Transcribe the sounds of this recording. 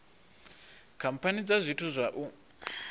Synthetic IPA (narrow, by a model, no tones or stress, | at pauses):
kʰam̩pʰanid͡zazʷitʰuzʷaʔu